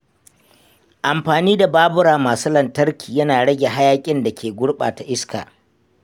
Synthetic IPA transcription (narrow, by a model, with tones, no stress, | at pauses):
ʔa˨mɸaː˨niː˦da˨baː˦bʊ˦ɽaː˨maː˨su˦lɐ˨ntɐ˦ɾkʲiː˨jɐ˦naː˨ɽɐ˦ɡʲe˨ɦa˦jaː˦kʲʼɪ˦nda˨kʲʰeː˨ɡʷʊ˦ɽɓa̰ː˨ta˨ʔɪ˦ska̰ː˨